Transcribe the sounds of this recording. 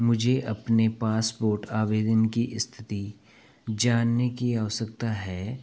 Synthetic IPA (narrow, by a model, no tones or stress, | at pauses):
mʊd͡ʒʱeʔɐpnepaːspoːɾʈaːʋeːd̪ənkiʔɪst̪ʰɪ̥t̪i | d͡ʒaːnːekiaːʋəsəkt̪aɦɛː